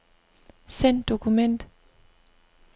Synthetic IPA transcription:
sen̥o̝kʰumen̰d̥

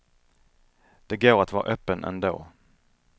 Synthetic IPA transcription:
d̪̥ɛɡoːɾat̪vɑːɾaʔœːpːənɛ̰nd̪o̰ː

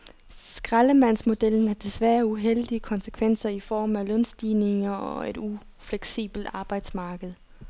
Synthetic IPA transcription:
sɡ̥ʁaləmæn̰smo̝d̥el̰n̩æɐd̥e̝sʋæːɐuɦel̰d̥iəkʰɒ̽nsə̥kʰʋen̰sɐifɒ̰ːmælɔnsd̥iːne̝ŋɐɒe̝d̥u | fleɡ̥sḭːb̥l̩d̥ɑ̈ːb̥ɑ̈ɪd̥smɑ̈ːɡ̥əð̞̩ˠ

